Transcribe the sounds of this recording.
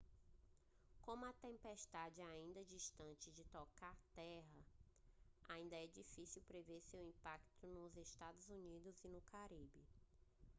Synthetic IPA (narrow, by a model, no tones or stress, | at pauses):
kõmʊɐt̪ẽmpeʃt̪ad͡ʒɪaĩnd̪ɐd͡ʒiʃt̪ɐ̃nt͡ʃɪd͡ʒɪt̪ɔkaɾt̪ɛɦɐ | aĩnd̪ɐɛd͡ʒifisiwpɾeveɾsewĩpakt̪ʊnʊzeʃt̪ad̪ʊzunid̪ʊzinʊkaɾibɪ